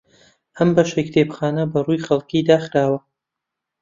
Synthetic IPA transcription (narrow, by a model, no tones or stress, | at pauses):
ʔɐmbɐʃekt̪ʰeːpxaːnɐbɐrujxɐlˠkiːd̪aːxɾaːwɐ